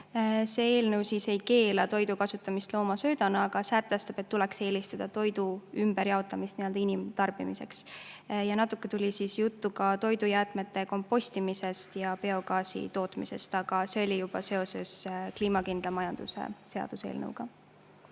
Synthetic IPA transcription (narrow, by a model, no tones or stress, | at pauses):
se̞e̞ːlnɤwsise̞jke̞ːlɑt̪o̞jd̪ukɑsut̪ːˑɑmist̪lo̞ːmɑsø̞ːd̪ɑnɑɑɡ̥ɑsæt̪ˑːæst̪ɑb̥e̞t̪ːulekse̞ːlist̪ɑd̪̥ɑt̪o̞jd̪uymb̥eɾjɑo̞t̪ːˑɑmist̪niø̞ld̪̥ɑinimt̪ɑrb̥imise̞ksjɑnɑt̪ːˑukːe̞t̪ulʲisisjut̪ːukɑt̪o̞jd̪ujæːt̪ˑme̞t̪ːˑe̞ko̞mpːo̞sʲt̪imise̞st̪jɑpe̞o̞ɡɑːsḭt̪o̞ːt̪mise̞̰st̪ɑɡ̥ɑse̞o̞lʲijub̥ɑse̞o̞se̞skliːmɑkind̪̥lɑmɑjɑnd̪̥usḛse̞ɑ̰d̪̥use̞̰ːlnə̰wɡ̥ɑ